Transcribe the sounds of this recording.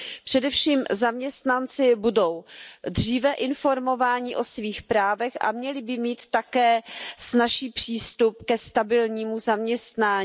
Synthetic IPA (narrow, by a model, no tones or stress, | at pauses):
pr̥ɛdɛfʃiːmzamɲɛst̪nant͡sɪbudo̞wdr̝iːvɛʔɪnfo̞ɾmo̞vaːɲɪʔo̞sviːxpɾaːvɛxʔa̰mɲɛlɪbɪmiːt̪ːakɛːsnaʃiːpr̝̥iːst̪up̚kɛst̪abɪlɲiːmuzamɲɛst̪naː